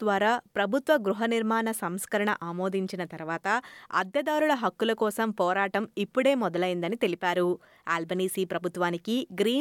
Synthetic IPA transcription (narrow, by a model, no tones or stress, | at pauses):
d̪ʋaːɾaːpɾɐbʱut̪ʋɐɡɾuɦɐniɾmaːnɐsɐmskɐɾɐɳɐ̰ʔaːmoːd̪iɲt͡ʃinɐt̪ɐɾuʋaːt̪ɐɐ̰d̪jɐd̪aːɾuɭɐɦɐkːulɐkɔːsɐmpɔːɾaːʈɐmipːuɽe̞ːmɔd̪ɐlɐjind̪ɐnit̪e̞lipaːɾu | aːlbɐniːsiːpɾɐbʱut̪ʋaːnikiɡɾiː